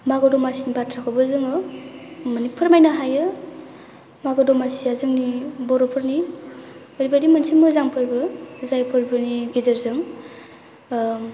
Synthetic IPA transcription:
maɡɔdɔmasinibatʰɾakʰɔwbɯzɯŋɯ | mənipʰɯɾmajnaɦajɯ | maɡɔdɔmasiazɯŋnibɔɾɔpʰɯɾni | ɔɾibadimansʰimɯzaŋpʰɯɾbɯzajpʰɯɾbɯniɡizɐɾzɯŋ

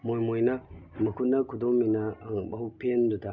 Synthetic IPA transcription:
mojmojnɐmɐkʰut̚nɐkʰudomːinɐbɐɦupʰendudɐ

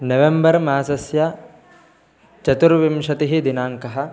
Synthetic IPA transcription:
nɐʋembɐɾmaːsɐsjɐ | t͡ʃɐt̪uɾʋimʃɐt̪iɦid̪inaːŋkɐɦɐ̆

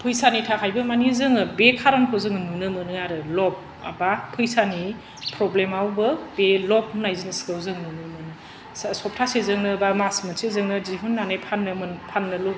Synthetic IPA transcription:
pʰɯjsanitʰakʰajbɯmanizɯŋɯbekʰaɾɔnkʰozɯŋnunɯmɯnɯaɾɯlɔp̚ | a̰bapʰɯjsani | pʰɾɔblemawbɯb̥elɔp̚unajziŋskɯwzɯŋnunɯmɯnɯ | sɔp̚tʰasezɯŋnɯbamasmɯnsezɯŋnɯziɦunːanajpʰanːɯmɯnpʰanːɯlu

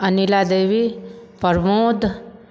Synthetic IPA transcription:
ɐnilad̪eːʋipəɾmoːd̪

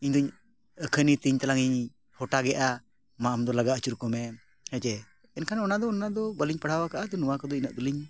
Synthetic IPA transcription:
iɲd̪ɔɲ | əkʰənit̪iɲt̪alaŋiɲ | hɔʈaɡɛʔa | maʔamd̪ɔlaɡaət͡ʃuɾkɔmɛ | hɛt͡ʃɛ | ɛnkʰanɔnad̪ɔːnad̪ɔbəliɲpəɽ̤awakaʔad̪ɔnuwakɔd̪ɔinəʔ̚d̪uliɲ

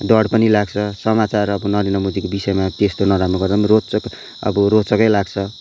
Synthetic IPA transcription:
ɖʌɽpʌnilaɡt͡sʰʌsʌmat͡sarʌbʌnʌɾinʌmod͡zikobisʌemat̪est̪onʌɾamnoɡʌrd̪amrot͡sʌk | ʌ̰bʌɾot͡sʌkʌjlaɡt͡sʰʌ

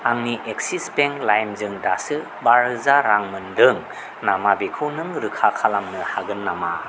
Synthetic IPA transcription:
aŋniʔeksispeŋlajmzɯŋdasɯ | baɾɯzaɾaŋmɯndɯŋ | namabekʰɯnɯŋɾɯkʰakʰalamnɯhaɡɯnːama̰

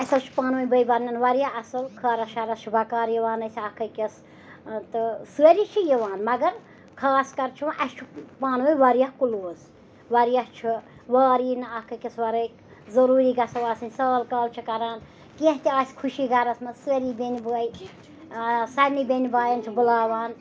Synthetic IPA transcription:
ɐsɐlt͡ʃʰu̥paːnʋɨjbəjbɐɾnʲɐnʋɐɾjaɐsɨlkʰɐːɾɐsʃaɾɐst͡ʃʰubɐkaːɾjiʋaːnɐsʲɐkʰɐkʲɐs | t̪ɨsɨɐɾit͡ʃʰijiʋaːnmɐɡɐɾ | kʰaːskɐɾt͡ʃʰũʔɐst͡ʃʰupaːnʋɨjʋɐɾjahkuloːs | ʋɐɾjɐht͡ʃʰu | ʋaːɾiːnɨɐhkɐkʲɐsʋɐɾɐk | zɐɾuːɾiːɡɐsɐʋaːsɨnʲsɐːlkaːlt͡ʃʰikɐɾaːn | kieɦt̪ʲiaːsʲkʰuʃiɡɐɾɐsmɐzsɨɐɾibenʲibəɐj | sɐɾnibʲenʲibaːjɐnt͡ʃʰibɨlaːʋaːn

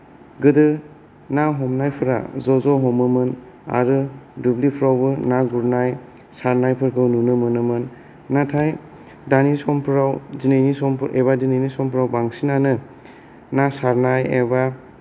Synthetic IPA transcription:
ɡɯdɯ | naɦɔmnajpʰɯɾa̰zɔzɔɦɔmɯmɯn | a̰ɾɯdublipʰɾawbɯnaɡuɾnaj | saɾnajpʰɯɾkʰɯwnunɯmɯnɯmɯnː | atʰaj | danisɔmpʰɾawzinajnisɔmpʰɾeβadinajnisɔmpʰɾawbaŋsinanɯ | nasaɾnajeba

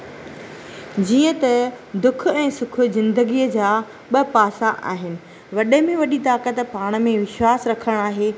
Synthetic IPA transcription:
d͡ʑiːə̃t̪ɐd̪ʊkʰʊɛ̃ːsʊkʰʊ̆zɪ̃nd̪əɡijəd͡ʑaː | ɓɐpaːsaʔa̰ːɦɪnɪ̆ | ʋɐɗəmẽʋɐɗit̪aːkət̪paːɽ̃ə̆mẽʋɪʃwaːsɾɐkʰəɽ̃aːɦeː

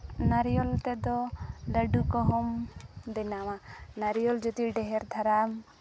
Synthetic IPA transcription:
naɾijɔlt̪ɛd̪ɔləɖukɔɦɔmd̪ɛnamanaɾijɔld͡ʒɔt̪iɖɛɦɛɾd̪ʱaɾam

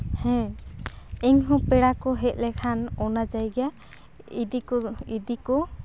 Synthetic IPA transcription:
hɛ̃ | ɛŋɦɔ̃pɛɽakɔɦɛt̪̚ˀlɛkʰanɔnad͡ʒajɡɛja | id̪iid̪ikɔ

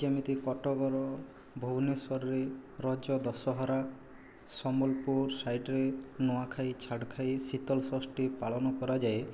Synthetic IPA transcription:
d͡ʒemit̪ikɔʈɔɡɔɾɔ | bʱuɡneswɔɾɔɾeɾɔd͡ʒɔd̪ɔsɔɦɔɾa | sɔmɔlpuɾsajʈɾenɔakʰajt͡ʃʰaɽkʰajsit̪ɔlsɔsʈipaɭɔnɔkɔɾad͡ʒae

